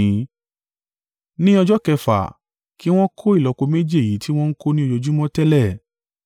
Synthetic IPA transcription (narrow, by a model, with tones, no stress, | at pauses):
nĩ˦ɔ˧d͡ʒɔ˦kɛ˧fa̰˨ | ki˦w̃ɔ̃˦kʰo˦i˦˨lɔ˨˧ko˧me˦d͡ʒi˦e˨ji˨˦ti˦w̃ɔ̃˦n̩˦ko˦nĩ˦o˧jo˧d͡ʒu˦mɔ̃˦tɛ˦lɛ˦˨